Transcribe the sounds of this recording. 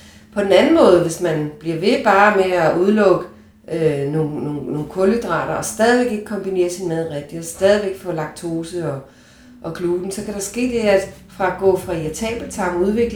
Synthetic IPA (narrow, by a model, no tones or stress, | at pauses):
pʰɒ̽d̥enænn̩mɔ̽ːð̞̩ˠʋe̝smænb̥liɐʋe̝b̥ɑ̈ːmeæuð̞ˠlɔ̽ɡ̥ə | ʔøno̝ːnoːno̝ːkʰɔləd̥ʁɑ̰̈ːɾ̥ɐɒ̽sd̥ɛːð̞ˠiʋeɡ̥e̝ɡ̥̚kʰɒ̽mb̥ine̝̰ːɐsinmeðˠʁɛɡ̥̚d̥iɒ̽sd̥ɛːð̞ˠiʋeɡ̥fɔ̰̽lɑ̈ɡ̥̚t͡sʰo̝ːsəɒ̽ | ʔɒ̽kʰluːd̥n̩sɒ̽kʰæɾ̥ɑ̈sɡ̥e̝̰ːd̥e̝fʁɑ̈æɡ̥ɔ̰̽ːfʁɑ̈iæt͡sʰɛ̰ːb̥l̩t͡sʰɑ̈ŋuðˠʋe̝ɡ̥l